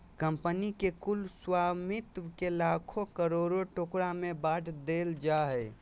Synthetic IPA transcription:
kəmpənikekulswamit̪wkelakʰokəɾoɾoʈokɾamebaʈʰd̪eld͡ʒaɦɛ

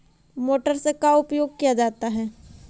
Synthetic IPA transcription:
moːʈəɾsekaʊpjoːɡ̚kijad͡ʒaːt̪aɦɛː

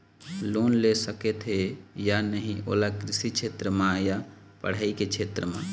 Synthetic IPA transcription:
loːnlesəket̪ɦejanəɦĩʔo̰ːlakɾɪsikt͡ʃʰeːt̪ɾəmãja | pəɽ̤aːiket͡ʃʰeːt̪ɾəmã̰

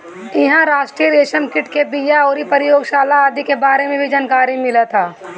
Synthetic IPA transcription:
ɪɦãɾaːʃʈɾiɾeːʃənkɪʈkebijaɔːɾipɐɾɪjoːɡʃaːlaaːd̪ikebaːɾemẽbʱid͡ʒaːnkaːɾimɪlat̪ʰaː

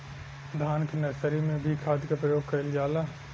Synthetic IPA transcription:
d̪ʱaːnknɐsəɾimẽbʱikʰaːd̪kapɾəjoːɡ̚kɐɪljaːla

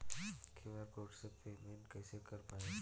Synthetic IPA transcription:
kʰeʋaɾkoːʈsepeːmẽnʈkɛːsekɐɾpaːe

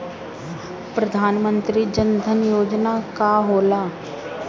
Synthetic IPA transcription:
pɾəd̪ʱaːnmə̃nt̪ɾid͡ʒənd̪ʱənjoːd͡ʒnakaɦoːlaː

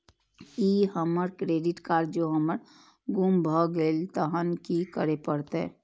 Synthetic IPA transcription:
iɦəməɾkɾeːɖɪʈkaːɾd͡ʒoɦəməɾ | ɡʊmbʱəɡeːlt̪əɦənkikəɾepəɽt̪ɦɛ̰̃ː

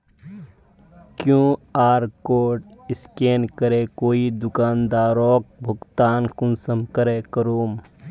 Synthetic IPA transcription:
kjõːaːɾkoːʈɪskeːnkəɾekoːid̪ʊkaːnd̪aːɾɔːk̚bʱʊɡt̪aːnkʊnsəmkəɾekəɾoːm

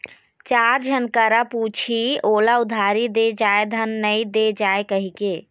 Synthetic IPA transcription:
t͡ʃaɾd͡ʒʱənkəɾaput͡ʃʰiolaʊd̪ʱaɾid̪ed͡ʒaed̪ʱənːəid̪ed͡ʒaekəɦike

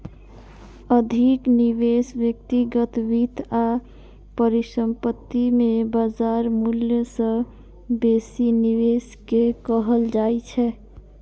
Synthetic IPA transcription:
əd̪ʱikniβesbjək̚t̪iɡət̪bit̪a | pəɾisəmpət̪ːimebad͡ʒaɾmuljəsə̃ | besiniʋes | kekəɦəld͡ʒajt͡ʃʰɛ

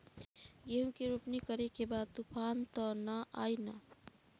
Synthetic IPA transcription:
jeɦũkeɾupnikʌɾekebad̪̚t̪upʰant̪ʌnʌʔajnʌ

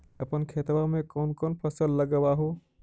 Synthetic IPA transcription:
ɐpənkʰeːt̪ʋamẽkoːnkoːnpʰɐsəlːɐɡəʋaɦoː

